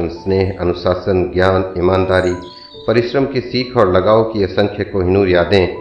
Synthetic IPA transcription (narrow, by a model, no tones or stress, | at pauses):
əmsneːɦɐ̰nʊsaːsənɡjaːnɪmaːnd̪aːɾi | pɐɾɪʃɾəmkisiːk̪ʰɔːɾlɐɡaːokiɐsə̃ŋkʰjəkoɦɪ̃nuːɾjaːd̪ẽ